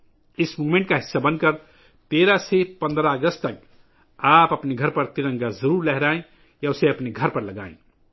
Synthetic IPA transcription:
ɪsmuːmẽɳʈ̚kaɦɪsːabɐ̃nkəɾ | t̪eːɾasepɐ̃nd̪ɾaəɡəst̪t̪ɐk̚ | aːpɐpneɡʱɐɾpɐɾt̪ɪɾə̃ŋɡazɐɾuːɾlɛɦɾaːẽ | jaʊseɐpneɡʱɐɾpɐɾlɐɡa̰ːḛ̃ː

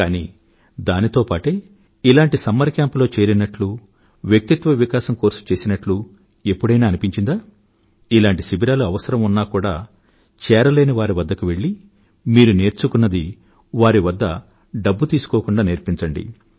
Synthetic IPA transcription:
kaːniː | d̪aːnit̪o̞ːpaːʈeː | ilaːɳʈisɐmːɐɾkjaːmplo̞ːt͡ʃe̞ːɾinɐʈlu | ʋjɐk̚t̪it̪ʋɐʋikaːʃɐmko̞ːɾsu̥t͡ʃe̞ːsinɐʈlu | e̞pːuɽɐjnaːɐnipiɲt͡ʃind̪aː | ilaːɳʈisibiɾaːluɐʋɐsɐɾɐmunːaːkuːɽaː | t͡ʃɛːɾɐle̞ːniʋaːɾiʋɐd̪ːɐkuʋe̞ɭːi | miːɾune̞ːɾt͡ʃukunːɐd̪i | ʋaːɾiʋɐd̪ːɐ | ɖɐbːut̪iːsu̥koːkuɳɖaːneːɾpiɲt͡ʃɐɳɖḭ

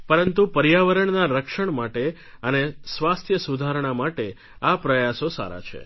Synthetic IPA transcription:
pəɾənt̪upəɾjaʋəɾəɳnaɾəkʃəɳmaʈe | ənesʋast̪ʰjəsud̪ʱaɾɳ̃amaʈe | apɾəjasosa̰ɾa̰t͡ʃʰḛ

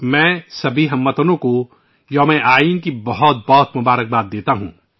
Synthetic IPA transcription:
mɛ̃ːsɐbʱiɦɐmːət̪ənõko | jɐmɛ̃ʔaːiːnkibɐɦʊt̪̚bɔːt̪mʊbaːɾək̚baːt̪̚d̪eːt̪aɦṵ̃ː

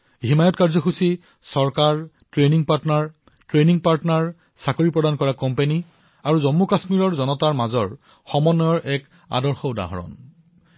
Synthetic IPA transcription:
ɦimajɔtkaɹzɔxusi | sɔɹkaɹ | tɹeniŋpaɹtnaɹ | tɹeniŋpaɹtnaɹ | sakoɹipɹɔdankɔɹakɔmpeni | aɹuzomːukasmiɹɔɹzɔnɔtaɹmazɔɹ | xɔmɔnːɔjɔɹʔɛk | a̰dɔɹxɔuda̰ɦɔ̰ɹɔ̰n

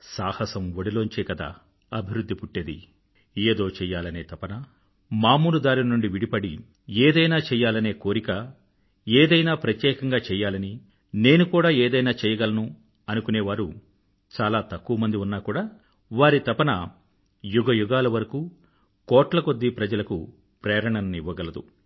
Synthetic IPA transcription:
saːhɐsɐmoɽiloːɲt͡ʃeːkɐd̪a̰ː | ɐbʱiɾud̪ʱːipuʈːeːd̪ḭ | eːd̪o̞ːt͡ʃɛːjːaːlɐne̞ːt̪ɐpɐnɐ | maːmuːlud̪aːɾilɐnuɳɖiʋiɽipɐɽi | eːd̪ɐjnaːt͡ʃɛːjːaːlɐne̞ːko̞ːɾikɐ | eːd̪ɐjnaːpɾɐt̪jɛːkɐŋɡaːt͡ʃɛːjaːlɐni | ne̞ːnukuːɽaːeːd̪ɐjnaːt͡ʃɛːjɐɡɐlɐnu | ɐnukuneːʋaːɾu | t͡ʃaːlaːt̪ɐkːuʋɐmɐnd̪iunːaːkuːɽaː | ʋaːɾit̪ɐpɐnɐ | juɡɐjuɡaːlɐʋɐɾɐkuː | kɔːʈlɐko̞d̪ːipɾɐd͡ʒɐlɐkṵ | pɾɛːɾɐɳɐnɐniʋːɐɡɐlɐd̪ṵ

